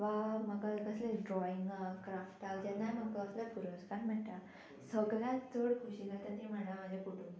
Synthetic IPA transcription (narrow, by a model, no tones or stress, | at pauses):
ʋaməɡakəsleɖɾɔiŋɡkɾafʈawd͡ʑanːam̤əɡkəːslapuɾoskaɾm̤əɳʈa | səɡljãt̪d͡zoɽkʰuɕinat̪at̪em̤anamad͡ʑakuʈun